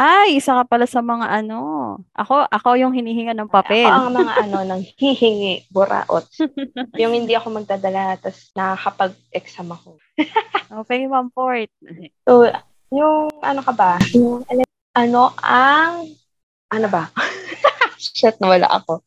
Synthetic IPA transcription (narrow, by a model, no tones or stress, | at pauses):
ʔajʔɪsakɐpɐlasɐmɐŋaʔɐno̞ʔɐko̞ʔɐko̞jʊŋhɪniːhɪŋanɐŋpɐpɛlŋmɐŋaɐno̞nɐŋhihɪŋiʔbʊɾa̰ːʔo̰t̪̚jʊŋhɪnd̪iʔɐko̞mɐɡ̚d̪aːd̪ɐlat̪ɐsnɐkɐpɐɡ̚ʔɛksamɐko | ʔopɛŋmɐmpoɹt̪̚so | jʊŋɐ̰nokɐbajʊŋɐlɛ | ʔɐno̞ʔɐŋ | ʔɐnobɐ | sʃɛt̪̚nɐwɐla̰ʔɐ̰ko̞